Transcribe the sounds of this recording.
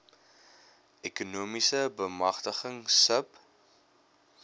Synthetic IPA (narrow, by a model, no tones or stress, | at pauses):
ʔɛkunuːmisəbəmɐχtəχəŋsəp